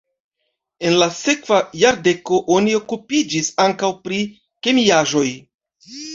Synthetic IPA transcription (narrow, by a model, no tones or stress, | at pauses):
e̞nlase̞kv̥ajaɾde̞ko̞ʔo̞nio̞kupid͡ʒisaŋkawpɾi | ke̞miaʒo̞j